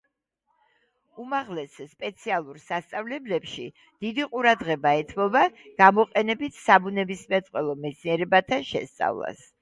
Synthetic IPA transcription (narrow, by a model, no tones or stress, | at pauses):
umaʁlɛsːpʼɛt̪sʰialˠuɾsast̪sʼavlɛblɛpʃi | d̪̥id̪iqʼuɾad̪ʁɛbaɛt̪ʰmɔbaɡ̥amɔqʼɛnɛbit̪ʰsabunɛbismɛt̪sʼqʼwɛlˠɔmɛt̪sʰniɛɾɛbat̪ʰanʃɛ̰st̪sʼa̰vlˠa̰s